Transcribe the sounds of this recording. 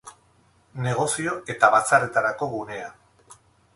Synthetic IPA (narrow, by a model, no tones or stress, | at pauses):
ne̞ɣ̞o̞sio̞ʔe̞t̪aβat͡sare̞t̪aɾako̞ɣune̞a